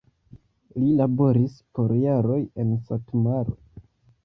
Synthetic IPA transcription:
lilabo̞ɾispo̞ɾjaɾo̞je̞nsatmaɾo̰

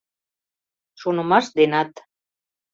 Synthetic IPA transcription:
ʃonə̆mɑʃd̪enɑt̪

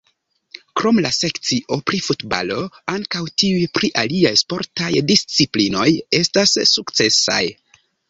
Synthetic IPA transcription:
kɾo̞mlase̞kt͡siʔo̞pɾifutba̰lo̞aŋkawtiujpɾiʔaliajspo̞ɾtajdist͡siplino̞je̞stasːukt͡se̞sa̰j

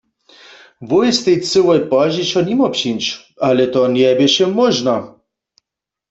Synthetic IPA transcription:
vʊjst̪ɛjt͡sɨwɔjpɔʑiɕɔnʲimɔpɕinʲt͡ʃ | alɛt̪ɔnʲɛbʲjɛɕɛmɔʒna

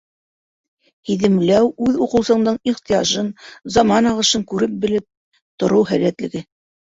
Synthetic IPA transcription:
hiðɘ̆mlæwʉðuqɤ̆wsɤ̆ɴd̪ɤɴiχt̪ijɑʒɤnzɑmɑnɑʁɤ̆ʃɤŋkʉɾɘp̚bɘ̆lɘp̚ | t̪ŏɾɤwɦæ̰læt̪lɘ̆ɡɘ

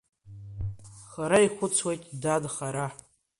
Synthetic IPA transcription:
χaɾaiχʷʊt͡sʰwejtʼdadχaɾa

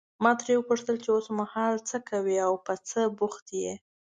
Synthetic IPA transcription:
mɑt̪ɾewəpuʂt̪əlt͡ʃeosmahɑlt͡səkʰawiawpət͡səbuxt̪je

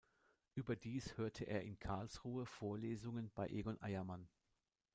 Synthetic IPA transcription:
ʔyːbɐdiːshøːɐtʰəʔeːɐɪnkʰaɐlsʁuːəfoːɐleːzʊŋənb̥aɪʔeːɡɔnʔa̰ɪɐman

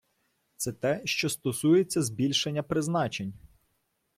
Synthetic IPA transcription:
t̪sɛt̪ɛʃt͡ʃɔst̪ɔsujet͡sʲːɐzbʲilʲʃenʲːɐpɾɪznɑt͡ʃenʲ

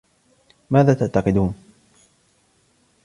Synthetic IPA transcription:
maːðaːt̪aʔt̪ɑqɨd̪uːn

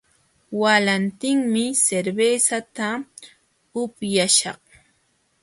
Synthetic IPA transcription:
walant̪ɪŋmɪseɾbeːsat̪a | ʊpjaʃɑχ

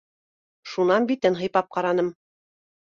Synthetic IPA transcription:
ʃunɑnbit̪ɘnɦɤ̆jpɑp̚qɑɾɑnɤm

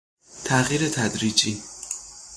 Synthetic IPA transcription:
t̪ʰæɣiːɾet̪ʰæd̪ɾiːd͡ʒiː

